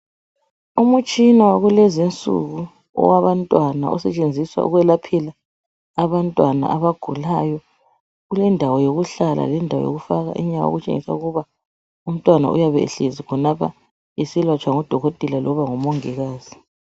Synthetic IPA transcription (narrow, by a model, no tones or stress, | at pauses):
umut͡ʃʼinawaɣulezint͡sʼṵɣu | ɔ̰waβantʼwana̰ɔ̰sɛt͡ʃʼend͡zʱiswa̰ʔṵɣwɛlapʰɛlaː | βantʼwana̰aβaɡ̥ʱulajɔ | ɣulɛndʱawɔjoɣuɬala̰lɛndʱawɔ̰jo̰ɣufaɣa̰ʔiɲakao̰ɣut͡ʃʼḛŋḭsa̰uɣuβa | um̩tʼwana̰ʔṵjaβɛḛɬezikʰɔnapʰa̰ | isilwat͡ʃʼwaŋɔd̥ʱɔɣotʼilalʔɔβaŋɔmoŋiɣaːz̥i